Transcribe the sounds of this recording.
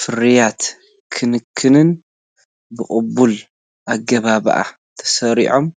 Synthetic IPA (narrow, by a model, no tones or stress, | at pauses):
fɨɾijat̪ | kʰɨnɨkʰːɨnɨn | bɨkʼɨbːul | ʔaɡɐβaβɐ̰ʔa̰ | t̪ʰɐ̥sɐɾḭʕo̞m